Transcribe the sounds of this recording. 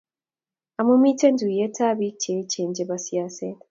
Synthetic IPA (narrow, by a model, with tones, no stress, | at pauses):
a˨mu˦mi˦te˦ndu˨je˦tʰa˦βi˦t͡ʃe˨t͡ʃeː˨ɲɟe˨βa˦sija˨se